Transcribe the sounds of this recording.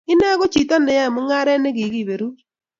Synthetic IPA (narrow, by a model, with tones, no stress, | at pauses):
ɪ˦nɛ˦ɣo˦t͡ʃi˨ta˦nɛ˨ja˦˨mʊ˦ŋa˦ɾɛ˦nɛ˦ɡi˨ɡi˨βe˨ɾu˦